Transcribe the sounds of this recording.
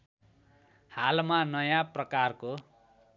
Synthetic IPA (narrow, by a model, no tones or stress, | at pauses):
halmanʌjãprʌkarko